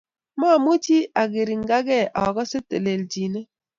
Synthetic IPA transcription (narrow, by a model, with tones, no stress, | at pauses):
ma˦˨mo˦t͡ʃi˦a˨ɡe˨ɾi˨ŋ˦ɡa˦ɡɛ˦ʔɔ˨ɡɔ˦se˦tḛ˨le˨ld͡ʒi˨ne˦